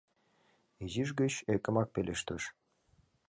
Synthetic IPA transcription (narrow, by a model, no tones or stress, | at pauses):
eziʒɡət͡ɕekə̆mɑk̚pelʲʔeʃt̪əʃ